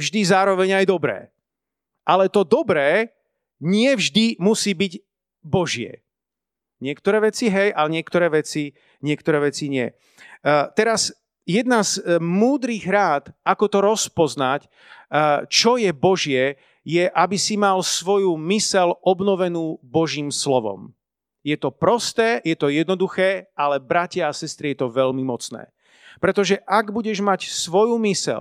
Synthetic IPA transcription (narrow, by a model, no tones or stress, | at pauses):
vʒd̪izaːɾɔʋɛɲajd̪ɔbɾɛ̰ː | ʔalɛt̪ɔd̪ɔbɾɛː | ɲɪɛvʒd̪imusiːbiɟ | bɔʒɪɛ̰ | ɲɪɛkt̪ɔɾɛːʋɛt͡siɦɛjalɛɲɪɛkt̪ɔɾɛːʋɛt͡si | ɲɪɛk̚t̪ɔɾɛːʋɛt͡siɲɪɛ̰ | t̪ɛɾaz | jɛd̪nazmuːd̪ɾiɣɾaːt̪ʔakɔt̪ɔɾɔspɔznac | t͡ʃɔjɛbɔʒɪɛ | jɛʔabisimalsʋɔjumisɛlɔbnɔʋɛnuːbɔʒiːmslɔʋɔ̰m | jɛt̪ɔpɾɔst̪ɛːjɛt̪ɔjɛd̪nɔd̪uxɛːʔalɛbɾacɪaːsɛst̪ɾijɛt̪ɔʋɛʎmimɔt͡snɛ̰ː | pɾɛt̪ɔʒɛʔaɡbuɟɛʒmacsʋɔjumisɛ̰l